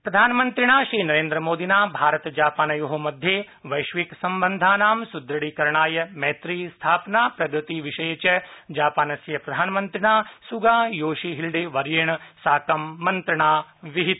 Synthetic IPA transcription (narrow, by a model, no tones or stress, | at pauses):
pɾɐd̪ʱaːnɐmɐnt̪ɾiɳaːʃɾiːnɐɾeːnd̪ɾɐmoːd̪inaːbʱaːɾɐt̪d͡ʒaːpaːnɐjuɦɐmɐd̪ʱjeː | ʋɐjʃʋiksɐmbɐnd̪ʱaːnaːmsud̪ɾɐɽiːkɐɾɳaːjɐmeːt̪ɾiːst̪ʰaːpnaːpɾɐɡɾɨt̪iːʋiʃɐjɐt͡ʃɐd͡ʒaːpaːnɐsjɐpɾɐd̪ʱaːnɐmɐnt̪ɾiɳaːsuɡaːjoːʃiːɦilɖeːʋɐɾjeːɳɐsaːkɐmːɐnt̪ɾɐɳaːʋiɦit̪